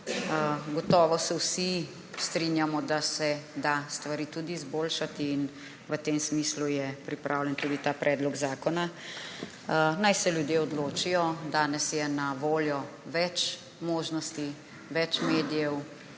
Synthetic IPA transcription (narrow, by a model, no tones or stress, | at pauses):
ɡɔt̪ɔːʋɔsɛwsi | st̪ɾinjamɔd̪asɛd̪ast̪ʋaɾiːt̪uːd̪iːzboːlʃat̪iːn | ʋət̪eːmsmislujɛpɾipɾʔawlɛnt̪uːd̪it̪aːpɾʔɛːd̪lɔɡzaːkɔna | najsɛljud̪jeɔd̪loːt͡ʃijɔd̪aːnɛsjɛnaʋoːljɔ | ʋɛt͡ʃ | moːʒnɔst̪i | ʋɛt͡ʃmeːd̪ijɛw